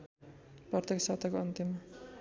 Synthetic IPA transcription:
prʌt̪eksat̪akoʌnt̪im

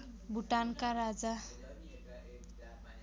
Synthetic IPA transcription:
bʱuʈankaɾad͡za

